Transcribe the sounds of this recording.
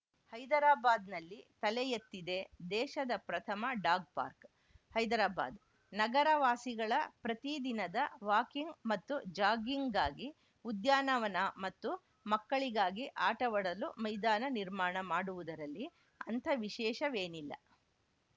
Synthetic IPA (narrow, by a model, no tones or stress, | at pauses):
hɐjd̪ɐɾaːbaːd̪nɐlːit̪ɐlɛjet̪ːid̪e̞d̪ɛːʃɐd̪ɐpɾɐt̪ʰɐmɐɖaːɡ̚pa̰ːɾk | hɐjd̪ɐɾaːba̰ːd̪ | nɐɡɐɾɐʋaːsiɡɐɭɐpɾɐt̪id̪inɐd̪ɐʋaːkiŋɡmɐt̪ːud͡ʒaːɡiŋɡɡaːɡi | ud̪jaːnɐʋɐnɐmɐt̪ːu | mɐkːɐɭiɡaːɡiʔaːʈɐʋɐɽɐlumɐjd̪aːnɐniɾmaːɳɐmaːɽuʋud̪ɐɾɐlːi | ɐnt̪ʰɐʋiʃɛːʃɐʋeːnilːɐ̰